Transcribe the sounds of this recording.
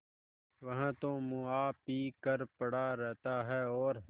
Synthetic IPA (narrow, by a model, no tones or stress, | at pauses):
ʋəɦãːt̪õːmũaːpiːkəɾpəɽaːɾɛːt̪aːɦɛːɔːɾ